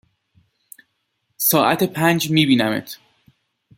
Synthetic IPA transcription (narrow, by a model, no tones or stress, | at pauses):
sɒːʔæ̰t̪ʰepʰænd͡ʒmiːbiːnæmḛt̪ʰ